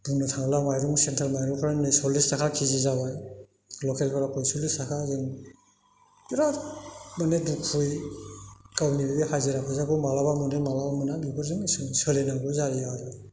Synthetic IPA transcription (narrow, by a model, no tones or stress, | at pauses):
bunɯtʰaŋlamajɾuŋsentʰalmajɾuŋpʰaɾanɯjsɔlistʰakʰakʰizizabaj | lɔkelpʰaɾapʰɔjsɔlistakʰazɯŋ | iɾamanedukʰuj | kawnibibihajzɯɾapʰɯzaɡɔmalabamunemalabamɯnabibɯɾzɯŋsɯŋsɯlenaɡɯzaɾiaɾɯ